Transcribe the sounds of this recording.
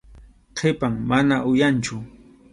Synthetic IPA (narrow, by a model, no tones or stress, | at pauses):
qʰepaŋmanaʔʊjant͡ʃʊ